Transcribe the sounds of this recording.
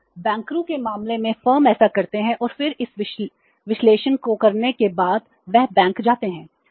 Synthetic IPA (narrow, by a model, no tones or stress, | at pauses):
bɛ̃ːŋkɾũkemaːmlemẽfəːɾmɛːsakɐɾt̪eɦɛ̃ʔɔːɾfɪɾɪsɪ | ʋɪʃleːʃənkokɐɾnekebaːd̪ | ʋɛɦbɛ̃ːŋkd͡ʒaːt̪eɦɛ̃ː